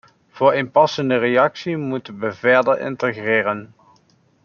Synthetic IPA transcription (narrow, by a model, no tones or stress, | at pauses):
v̥ʊːɹɪnpɑsəndərejɑksimutənʋəvɛɹdəɹɪ̰ntəɣrɪːɾən